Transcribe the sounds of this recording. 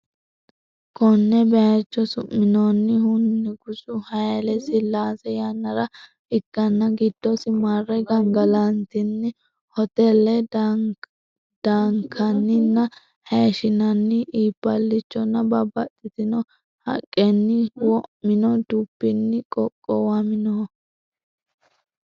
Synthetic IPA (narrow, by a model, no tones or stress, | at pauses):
kʰɔnːɛbɛɐt͡ʃːɔsʊmːɪnonːɪhʊnːɪɡʊsʊhɐjɛlɛsɪlːaːsɛjanːɐɾɐ | ɪkːɐnːɐɡɪd̪̥ːɔsɪmarːɛɡɐŋɡɐlɐnt̪ɪnːɪ | hɔt̪ɛlːɛ | d̪̥aːŋkʰɐnːɪnːɐ | heʃɪnɐnːɪʔiːpːɐlːɪt͡ʃːɔnːɐbɐbɐt̪ʼːɪt̪ɪnɔ | hɐ̰kʼːɛnːɪwɔmɪnɔd̪upːɪnːɪkʼɔkʼːɔwamɪnɔ